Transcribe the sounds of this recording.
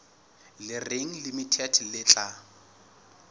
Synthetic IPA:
lɪreŋ̩limitʰɛdlɪt͡ɬʼa

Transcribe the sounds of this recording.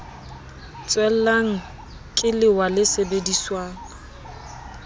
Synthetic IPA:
t͡sʼwɛl̩laŋ̩ | kʼɪlɪwalɪsebediswaːŋ̩

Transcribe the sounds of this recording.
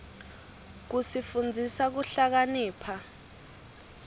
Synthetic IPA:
k̬usifund͡zʱisak̬uɬak̬aniːpʰa

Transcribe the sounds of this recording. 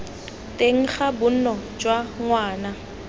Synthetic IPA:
tʼeŋ̩χabʊn̩nɔd͡ʒwaŋwaːna

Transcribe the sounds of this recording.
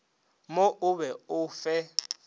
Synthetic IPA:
moʔʊβɛʊfɛ

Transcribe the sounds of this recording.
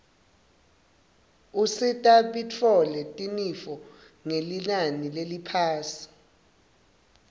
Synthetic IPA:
usitʼaɓit͡fʰɔlɛtʼinifɔ | ŋelinanilelipʰaːsi̥

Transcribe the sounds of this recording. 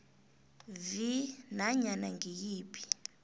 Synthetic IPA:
vinaɲanaŋijiːpʰʼi̥

